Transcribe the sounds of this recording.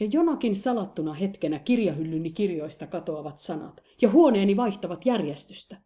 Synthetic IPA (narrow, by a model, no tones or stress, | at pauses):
jɑjonɑkinsɑlɑt̪ːunɑhet̪kenækirjɑɦylːynːikirjoist̪ɑkɑt̪oɑʋɑt̪sɑnɑ̰t̪jɑhuoneːniʋɑiht̪ɑʋɑt̪jærjest̪y̥st̪æ